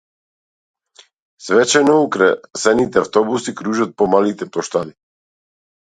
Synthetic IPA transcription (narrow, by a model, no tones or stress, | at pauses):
svɛt͡ʃɛnɔukɾɛsɛnit̪ɛaft̪ɔbusikɾuʒat̪̚pɔmalit̪ɛplˠɔʃt̪ad̪i